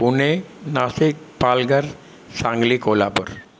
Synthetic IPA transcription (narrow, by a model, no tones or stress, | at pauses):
punenasik | palɡəɾ | sãŋɡliːkolapəɾ